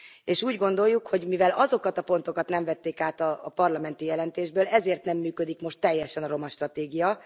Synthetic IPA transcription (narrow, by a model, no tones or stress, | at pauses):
eːʃuːɟɡo̞nd̪o̞jːukho̞ɟmivɛlɒzo̞kɒt̪ɒpo̞nt̪o̞kɒt̪nɛɱvɛt̪ːeːkaːt̪ɒpɒrlɒmɛnt̪ijɛlɛnt̪eːʒbøːlɛzeːrt̪nɛmːyːkø̞d̪ikmo̞ʃt̪ːɛjːɛʃɛnɒɾo̞mɒʃt̪rɒt̪eːɡijɒ